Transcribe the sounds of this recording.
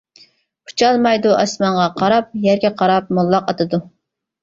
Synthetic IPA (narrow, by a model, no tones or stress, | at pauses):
pʰu̥t͡ʃʰɑlˠmɑjd̪uʔɑ̰smɑnʁɑqʰɑɾɑp̚jɛɾɡʲɛqʰɑɾɑp̚mulˠːɑqɑt̪ʰɨd̪u